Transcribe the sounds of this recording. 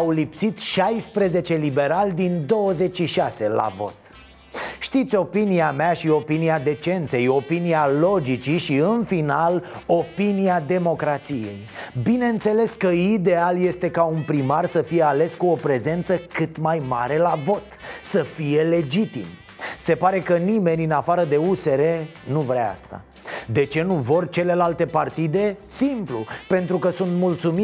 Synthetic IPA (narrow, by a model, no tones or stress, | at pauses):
awlipsit̪ʃajspɾe̞ze̞t͡ʃe̞libe̞ɾalʲd̪ind̪o̞wəze̞t͡ʃʃiʃase̞la̰vo̞̰t̪ | ʃt̪it̪sʲo̞piniamaʃio̞piniad̪e̞t͡ʃe̞nt̪se̞jo̞pinialo̞d͡ʒit͡ʃiʃiɨnfinalo̞piniad̪e̞mo̞kɾat̪sije̞̰jbine̞ɨnt̪se̞le̞skəid̪e̞alje̞st̪e̞kaunpɾimarsəfije̞ale̞skuo̞pɾe̞ze̞nt̪səkɨt̪majmaɾe̞lavo̞t̪səfije̞le̞d͡ʒit̪ḭm | se̞paɾe̞kənime̞nʲɨnafaɾəd̪e̞use̞ɾe̞nuvɾaa̰st̪a̰ | d̪e̞t͡ʃe̞nuvo̞rt͡ʃe̞le̞lalt̪e̞part̪id̪e̞simplṵpe̞nt̪ɾukəsunt̪mult̪sumi